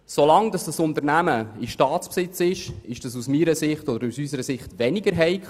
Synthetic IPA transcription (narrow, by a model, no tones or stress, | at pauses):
solɑŋd̥ɑsd̥ɑsʊnt̪əɾnæməɪʃtɑːtt͡spsɪt͡sɪʃɪʃd̥ɑsusmiːɾəsɪχtɔd̪əɾusysəɾəsɪχtʋɛnɪɡəɾɦɛɪk